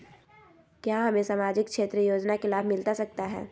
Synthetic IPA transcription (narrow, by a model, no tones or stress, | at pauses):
kjaːɦɐmẽsaːmaːd͡ʒɪkkʃeːt̪ɾəjoːd͡ʒnakɪlaːbʱmɪlt̪asɐk̚t̪aɦɛ̰ː